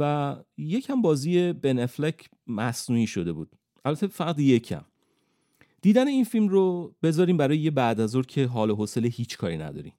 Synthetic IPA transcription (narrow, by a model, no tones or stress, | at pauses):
væje̞cʰæmbɒːziːje̞beneflecʰ | mæsnuːiːʃo̞d̪e̞bṵːd̪̥̚ | ʔælbæt̪ʰefæɣd̪je̞cʰæ̰m | d̪̥iːd̪æne̞iːnfilmrob̥e̞zɒːɾiːmbæɾɒːjejebæʔd̪æzoɾcʰe̞ɦɒːloɦose̞lehiːt͡ʃʰkʰɒːɾinæ̰d̪ɒ̰ːɾḭːm